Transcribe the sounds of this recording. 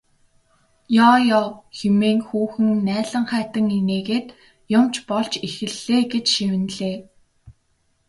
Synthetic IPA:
jɔːjɔːxemeːŋxuːxɘ̆ŋnæːɮə̆ɴχæːt̪ə̆ŋineːɣeːt̪ | jʊmt͡ɕpɔɮt͡ɕixɘ̆ɮːeːɡet͡ɕʃiwɘ̆nɮeː

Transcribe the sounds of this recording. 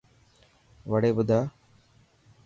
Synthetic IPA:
ʋəɽeːbʊd̪ʱaː

